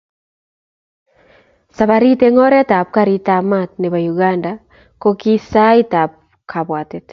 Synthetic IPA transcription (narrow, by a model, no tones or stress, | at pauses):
saβaɾiteŋɔɾɛtap̚kaɾitamat̚neβajuɣanda | kokisaitap̚ | kʰaβwatet